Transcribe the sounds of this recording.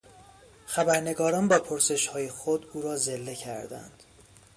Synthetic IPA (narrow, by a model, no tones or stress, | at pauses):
xæbæɾne̞ɡɒːɾɒːnbɒːpʰoɾse̞ʃhɒːje̞xod̪uːɾɒːze̞lːe̞cʰæɾd̪æ̰nd̪̥